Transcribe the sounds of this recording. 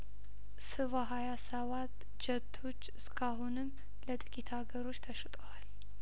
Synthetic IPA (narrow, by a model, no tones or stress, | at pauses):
sɨβaɦajasəβat̪ | d͡ʒət̪ʰːo̞t͡ʃːɨskʰaɦunɨm | lət̪ʼɨkʼit̪ʰaɡəɾo̞t͡ʃːt̪ʰəʃt̪ʼəwal